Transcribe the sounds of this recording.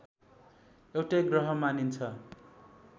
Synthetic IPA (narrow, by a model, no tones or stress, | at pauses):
ewʈaɡrʌɦʌmanint͡sʰʌ